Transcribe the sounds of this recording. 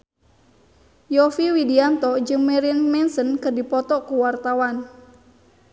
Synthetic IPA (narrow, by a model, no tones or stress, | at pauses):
jɔfiwidiant̪ɔd͡ʒɨŋmɛɾinmɛnsənkɨrdipɔt̪ɔkuwart̪awan